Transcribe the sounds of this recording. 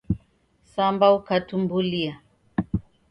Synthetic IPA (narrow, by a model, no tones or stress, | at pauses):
sambaukatumbulia